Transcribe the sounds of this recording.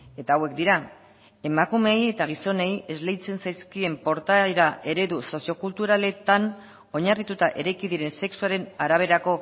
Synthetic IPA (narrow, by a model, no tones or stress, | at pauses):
e̞t̪aːwe̞k̚d̪iɾa | e̞makume̞je̞t̪aɣ̞iso̞ne̞je̞zle̞jt͡se̞nsajskie̞mpo̞ɾt̪ajɾaʔe̞ɾe̞ðuso̞sio̞kult̪uɾale̞t̪an | o̞ɲarit̪ut̪aʔe̞ɾajkiðiɾe̞nse̞ksuaɾe̞naɾaβ̞e̞ɾako̞